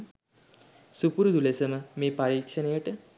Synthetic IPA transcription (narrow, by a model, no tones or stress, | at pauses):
supuɾud̪ulesɐməmeːpɐɾiːkʂɐnejɐʈɨ